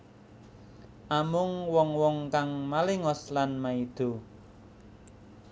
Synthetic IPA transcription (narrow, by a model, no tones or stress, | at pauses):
ʔamʊŋwɔŋwɔŋkaŋmalɪŋɔslanmaid̪̥o̤